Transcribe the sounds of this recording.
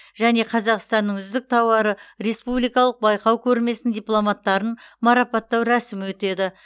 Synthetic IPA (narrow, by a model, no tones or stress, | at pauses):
ʒæne̞qʰɑzɑqst̪ɑnːəɴʏzd̪ɪk̚t̪ʰɑwɑɾəɾe̞spublˠijkɑlˠəq̚bɑjqɑwkʲʰɵɾme̞sɪnd̪ijplˠo̞mɑt̪ːɑɾənmɑɾɑpɑt̪ːɑwɾæsɪmɪwɵt̪e̞d̪ɪ